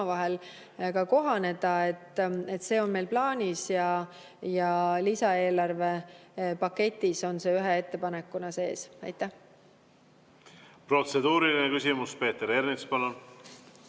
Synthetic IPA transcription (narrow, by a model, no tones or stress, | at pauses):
vɑɦel | kɑko̞ɦɑne̞d̪̥ɑe̞t̪ːˑe̞t̪ːse̞ːo̞nme̞jlplɑːnʲisjɑ | jɑlisɑe̞ːlɑrve̞pɑkːe̞t̪ʲːˑiso̞nse̞ːyɦee̞t̪ːe̞pɑnekːˑunɑse̞ːsɑ̰jt̪ˑːæh | pro̞t̪sed̪uːɾilinekysʲimuspe̞ːt̪ːeɾernikspɑnon